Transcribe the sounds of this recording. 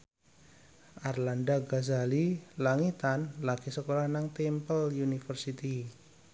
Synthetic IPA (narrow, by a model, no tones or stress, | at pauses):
ʔarlandaɡazalilaŋit̪anlakisəkolahnaŋt̪empəljunifərsit̪i